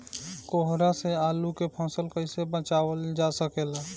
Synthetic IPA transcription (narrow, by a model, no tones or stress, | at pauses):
koɦɾaseaːlukepʰɔ̃ːsəlkəɪsebət͡ʃaːwəld͡ʒasəkeːla